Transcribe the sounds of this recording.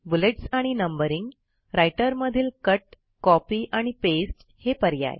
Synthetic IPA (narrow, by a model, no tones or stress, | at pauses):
buleʈsaɽ̃inəmbəɾiŋɡ | ɾajʈəɾməd̪ʱiːlkəʈ | kɔpiːʔaɽ̃ipesʈ | hepəɾja̰j